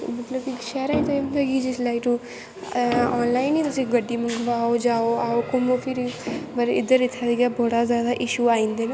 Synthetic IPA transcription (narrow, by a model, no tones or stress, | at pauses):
mət̪ləbɪkʃɛːɾaːĩt̪oeːɦʊ̃nd̪aːkid͡ʒɪslaːiʈu | ɔːnlaːiniːt̪ʊsĩːɡəɖːiːmə̃ŋɡəʋaːod͡ʒaːoːaːoːkʊmoːpʰɪɾpəɾɪ̰d̪əɾːɪt̪ʰːaːd̪iɡaːbɔːɽaːzjaːd̪aːʔɪʃuːaːĩːnd̪eːna